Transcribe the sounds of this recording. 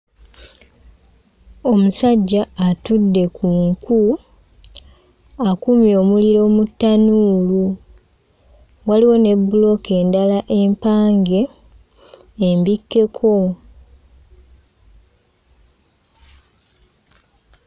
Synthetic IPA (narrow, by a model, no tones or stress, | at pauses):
o̞musaɟːaːtudːe̞kʰuŋku | akumjo̞ːmuliɾo̞ːmutːanuːlu | waliwe̞ne̞bːulo̞ke̞ːndalaʔe̞mpaːŋɡe̞ | mbikːe̞kʰo̞